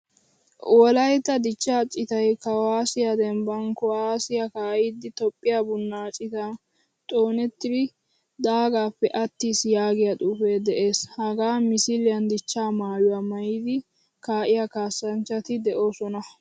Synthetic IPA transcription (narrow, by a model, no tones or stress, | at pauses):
wɔlɐjt̪ːɐd̪ɪt͡ʃːaːt͡ʃʼɪt̪ɐjkɐwaːsɪjad̪ɛmbɐŋkɔwaːsɪjɐkaːʔid̪ɪt̪ɔpʼːɪjabʊnːaːt͡ʃʼɪt̪ɐ | t̪ʼo̞ːnɛt̪ːɪd̪ɪ | d̪aːɡaːpːɛʔɐt̪ːiːsjaːɡɪjɐt̪ʼuːfeːd̪ɛʔe̞ːshɐɡaːmɪsɪlɪjɐnd̪ɪt͡ʃːaːmaːjʊwamɐjɪd̪ɪ | kaːʔɪjakaːsːɐnt͡ʃːɐt̪ɪd̪ɛʔoːsɔnɐ